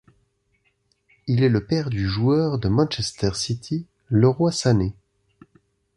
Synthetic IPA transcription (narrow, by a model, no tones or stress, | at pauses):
ilɛləpɛʁd̪yʒuœʁd̪əmɑ̃nʃɛst̪ɛʁsit̪ʰi | ləʁwasane